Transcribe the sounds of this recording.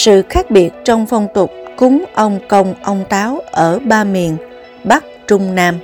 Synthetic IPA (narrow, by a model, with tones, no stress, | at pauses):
sɨ̰˧˨xaː˦˥k̚ɓi˨˩ət̚t͡ɕɔ˧wŋ͡mfə˧wŋ͡mt̪ʊ˨˩k͡p̚kʊ˨˦ŋ͡mʔə˧wŋ͡mkə˧wŋ͡mʔə˧wŋ͡mt̪aː˨˦wʔəː˧˩ɓaː˧mi˨˩ən | ɓa˦˥k̚t͡ɕʊ˧ŋ͡mnaː˧m